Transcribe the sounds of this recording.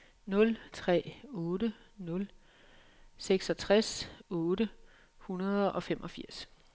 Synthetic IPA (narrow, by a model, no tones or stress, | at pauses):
nɔ̽lt͡sʰʁɛ̰ːɔːɾənɔ̽l | seɡ̥sɒ̽t͡sʰʁasɔ̽ːɾə | hunɐð̞ˠʔɒ̽femʔɒ̽fiɐ̰s